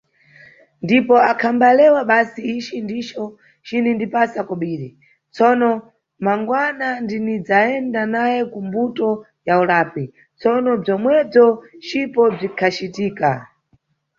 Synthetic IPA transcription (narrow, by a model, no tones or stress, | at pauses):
ndipɔakʰambalɛwaɓasiit͡ʃindit͡ʃɔ | t͡ʃinindipasakɔɓiːɾɛ | t͡sɔnɔ | maŋɡwanandinid͡zaɛndanajɛkumbutɔ | jaulaːpi | t͡sɔnɔb͡ʐɔmwɛb͡ʐɔt͡ʃipɔb͡ʐikʰat͡ʃitiːka